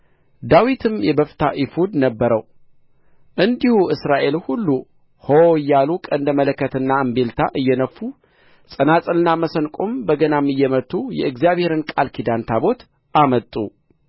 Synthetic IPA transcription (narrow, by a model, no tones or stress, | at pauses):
d̪awit̪ʰɨmjɛbəft̪ʰa̰ʔifud̪nəbːəɾəw | ʔɨnd̪ihuʔɨsɾaʔe̞lhulːu | hojːalukʼənd̪əmələkːət̪ɨnːaɨmbelt̪ʰa̰ʔɨjːɛnəfːu | sʼənasʼɨlɨnːaməsənkʼombəɡənamɨjːɛmət̪ʰːujɛ̰ɨɡzijaβhe̞ɾɨnkʼalkʰid̪ant̪ʰabo̞t̪ | ʔamət̪ʼːṵ